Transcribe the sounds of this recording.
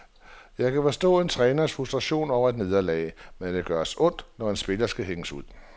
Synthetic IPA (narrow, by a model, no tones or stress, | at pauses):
jɑ̈ɪkʰæfɒsd̥ɔ̰̽ːe̝nt͡sʰʁɛːnɐsfʁusd̥ʁɑɕo̝̰ːnɒʊ̰ɐed̥ne̝ð̞ˠɐlɛ̰ːɪmend̥e̝ɡ̥ɶɐsɔ̽n̰d̥nɒe̝nsb̥e̝lɐsɡ̥æɦeŋəsuð̰ˠ